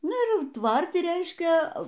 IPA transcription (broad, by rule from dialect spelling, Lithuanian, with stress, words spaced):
ˈnʊ ɪr ˈjɛʊ ˈtʋɐrʲtʲɪ ˈrʲɛɪʃʲkʲɛ